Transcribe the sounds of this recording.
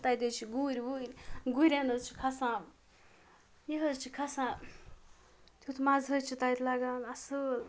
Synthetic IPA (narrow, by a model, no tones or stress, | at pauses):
t̪ajd̪ʲet͡ʃʰiɡuɾʲbuɾʲɡuɾʲanəzt͡ʃʰi̥kʰasã | jeɦəzt͡ʃʰikʰasãː | t̪ʰut̪ʰmazɦəjt͡ʃʰit̪ajt̪laɡaːnɐsəl